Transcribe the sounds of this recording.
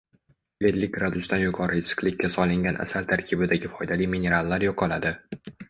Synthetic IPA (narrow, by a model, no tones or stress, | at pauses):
led̪lɪk̚ʲɡɾad̪ʊst̪anjʊqʰɒɾɨɪsɨ̥qlɪkʲːasɒlˠɪŋɡʲanʔa̰salt̪ʰaɾkʲʰɪbɪd̪aɡʲɪfɒjd̪alijminʲe̞ɾalˠːaɾjɒqʰɒlad̪ɪ